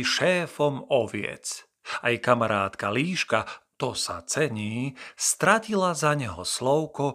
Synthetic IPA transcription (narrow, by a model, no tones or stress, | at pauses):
iʃɛːfɔmɔʋɪɛ̰t͡s | ajkamaɾaːt̪kaliːʃkat̪ɔsa̰t͡sɛɲiːst̪ɾacilazaɲɛɦɔ̰slɔʊkɔ